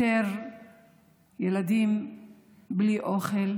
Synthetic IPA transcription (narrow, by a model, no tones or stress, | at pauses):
eɾ | jelad̪im | bliʔoχel